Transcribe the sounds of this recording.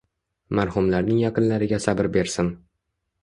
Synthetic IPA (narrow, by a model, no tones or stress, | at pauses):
maɾhʊmlaɾnɪŋjɑqɨnlaɾɪɡʲasabɪɾbe̞ɾsɪn